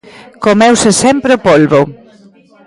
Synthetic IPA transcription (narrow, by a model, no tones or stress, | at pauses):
komɛwsesɛmpɾeopolβo